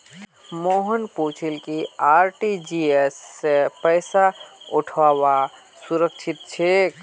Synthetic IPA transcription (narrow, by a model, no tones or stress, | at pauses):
moɦənpoːt͡ʃʰilkiaːɾʈid͡ʒiesːepəjsauʈʰawa | suɾəkʃʰit̪̚t͡ʃʰe